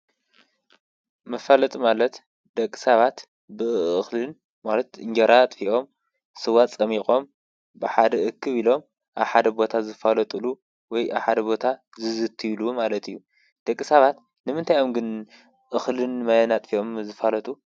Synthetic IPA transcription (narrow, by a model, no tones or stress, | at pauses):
mɐfalɐt̪ʼumalɐt̪ | d̪̥ɐkʼːɨ̥saβat̪ | bɨɨxlɨn | malɐt̪ɨɲd͡ʒɐɾat̪ʼfiʔo̞m | sɨwat̪ʼt͡sʼɐmixʼo̞m | bɨħad̪ɐʔɨkʰːɨβilo̞m | ʔaβħad̪ɐbo̞t̪ʰazɨfalɐt̪ʼɨlu | wɔjʔa̰βħad̪ɐbo̞t̪ʰa | zɨzɨt̪ʰːilumalɐt̪ʰijːu | d̪̥ɐkʼːɨsaβat̪ | nɨmɨnt̪ʰajo̞mɡɨn | ʔɨxlɨnmajanat̪ʼfiʔo̞mzɨfalɐt̪ʼu